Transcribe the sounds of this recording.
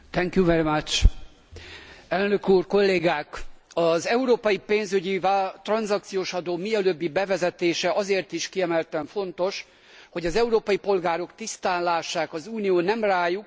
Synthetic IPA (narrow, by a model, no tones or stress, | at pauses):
t̪ɛŋkjuvɛɾimɐt͡ʃ | ɛlnø̞kuːrko̞lːeːɡaːk | ɒzɛuɾoːpɒjipeːnzyɟivat̪rɒnzɒk̚t̪sijoːʃɒd̪oːmiɛløbːibɛvɛzɛt̪eːʃɛɒzeːrt̪iʃkiɛmɛlt̪ɛɱfo̞nt̪o̞ʃ | ho̞ɟɒzɛuɾoːpɒjipo̞lɡaːɾo̞kt̪ist̪aːnlaːʃaːkɒzuːnijoːnɛmraːjuk̚